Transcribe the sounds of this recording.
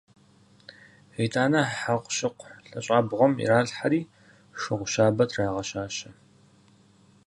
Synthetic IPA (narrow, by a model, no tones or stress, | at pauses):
iːtʰʼaːnɐħaqʷɕɪqʷɬɐɕʼaːbʁʷɔmḭɾaːɮħaɾiː | ʂɨʁʷʊʃaːbɐtʰraːʁɐʃaːɕɐ